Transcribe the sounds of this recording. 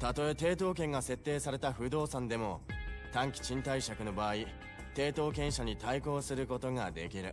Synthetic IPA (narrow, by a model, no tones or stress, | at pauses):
t̪at̪o̞e̞t̪e̞ːt̪o̞ːk̬ẽ̞ŋɡase̞t̪ːe̞ːsaɾe̞t̪aɸɯ̟d̪o̞ːsãnd̪e̞mo̞t̪ãŋkʲi̥t͡ɕĩnt̪aiɕakɯ̟no̞baːi | t̪e̞ːt̪o̞ːkẽ̞ɰ̃ɕaɲ̟it̪aiko̞ːsɨɾɯ̟ko̞t̪o̞ŋad̪e̞̰kʲiɾɯ̟̰